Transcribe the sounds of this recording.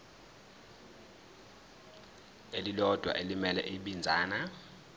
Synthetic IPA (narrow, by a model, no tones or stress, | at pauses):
elilɔd̥ʱwa̰ʔelimɛlɛʔiɓind͡zʱaːna